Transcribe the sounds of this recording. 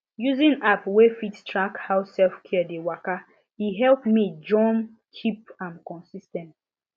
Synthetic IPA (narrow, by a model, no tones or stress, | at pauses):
juzĩnapwefittɹakhaʊsɛlfkʰɛdewaka | iɦɛlpmid͡ʒɔ̃m | t͡ʃʰip̚ãmkɔ̃nsistɛ̃nt